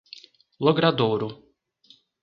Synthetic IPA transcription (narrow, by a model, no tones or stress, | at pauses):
lˠɔɡɾad̪ɔːɾu